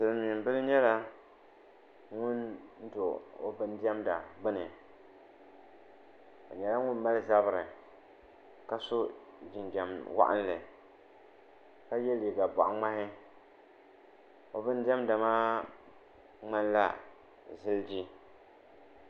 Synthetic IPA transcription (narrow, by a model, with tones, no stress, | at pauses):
sɨ˨lmi˨m˨bɨ˦lɨ˦ɲɛ˦la˦ | ŋʊ˦n̩˦do˨o̰˦bɨ˦n˦dɛ˦mda̰˨bɨ˦nɨ˨ | o̰˨ɲɛ˨la˦ŋʊ˦nma˦lɨ˦za˦bɨ˨ɾɨ˨ | ka˦so˦d͡ʒi˨nd͡ʒa˨mwa̰˦ʔa̰˦n˦lɨ˨ | ka˦jɛ˦li˨ɡa˨ba̰˨ʔŋ͡ma˦hɪ˦ | o˦bɨ˦n˦dɪ˦ɛ˦mda˨maː˦ | ŋ͡ma˦nla̰˦ | zɨ˦ld͡ʒi˦